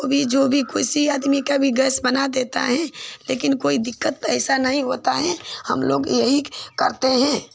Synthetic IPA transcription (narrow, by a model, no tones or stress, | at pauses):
obʱid͡ʒoːbʱikoːɪsiaːd̪mikabʱiɡəsbənad̪eːt̪a̰ɦɛ̃leːkɪnkoːid̪ɪkːət̪̚ɛɪsanəɦĩɦot̪aɦɛhə̰mlo̰ːɡjəɦikəɾt̪eɦɛ̃ː